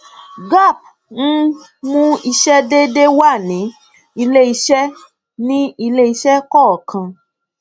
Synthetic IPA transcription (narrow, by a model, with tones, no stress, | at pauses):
ɡa˦˨p̚ | ñ̩˦ | mũ˦i˧ʃɛ˦de˦de˦wa˦˨nĩ˨˦ | i˧le˦i˧ʃɛ˦ | nĩ˦i˧le˦i˧ʃɛ˦kɔ˦˨kʰã˧